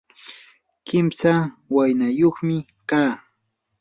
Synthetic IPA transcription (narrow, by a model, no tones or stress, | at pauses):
kɪmsawajnajoχmɪ | kaː